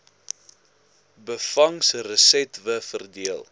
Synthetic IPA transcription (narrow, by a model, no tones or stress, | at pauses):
bəfɐŋsrəsɛtvəfərdiəlˠ